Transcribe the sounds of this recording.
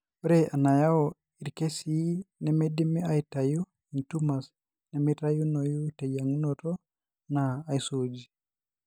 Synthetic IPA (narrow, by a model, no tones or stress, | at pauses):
ɔɾeʔanajaɔ | iɾkesinɛmedimiajitaju | intumas | nɛmiɾajunojutɛjaŋnotɔ | naːjsod͡ʒi